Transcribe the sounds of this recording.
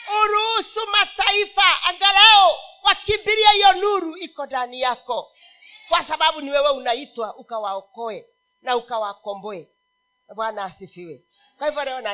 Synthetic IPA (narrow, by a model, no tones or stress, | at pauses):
oɾusumataifaaɡaɾaowakimbiɾiaiɔnuɾuikɔdanijakɔ | kwasaβaβuniwɛwɛunaitwaʔukawaɔkɔɛ | naukawakɔmbɔɛ | bwanaːsefewɛ | kaivɔɾɛɔna